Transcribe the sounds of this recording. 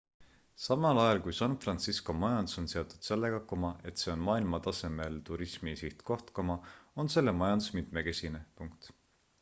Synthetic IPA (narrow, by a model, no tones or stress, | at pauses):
sɑmɑlɑjɑlkujsɑnfrɑnt̪sisko̞mɑjɑnd̪u̥so̞nse̞ot̪ːˑud̪̥se̞lːe̞ɡ̥ɑkomɑʔe̞t̪ˑse̞o̞nmɑːilmɑt̪ɑse̞me̞lt̪uɾismisiht̪ko̞ht̪komɑo̞nse̞lːe̞mɑjɑnd̪̥u̥smit̪me̞ke̞sʲine̞puŋk̚t̪